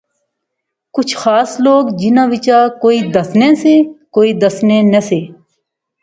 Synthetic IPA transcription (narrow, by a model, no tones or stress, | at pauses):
kʊt͡ʃʰxaːsloːɡd͡ʒɪnãːʋɪt͡ʃaːkoːiːd̪əsnẽːseːkoːiːd̪əsnẽːnəseː